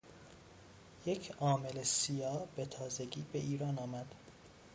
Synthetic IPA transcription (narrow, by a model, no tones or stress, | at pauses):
jecʰɒːme̞lesijɒːbe̞t̪ʰɒːzeɟiːbeʔiːɾɒːnɒːmæd̪̥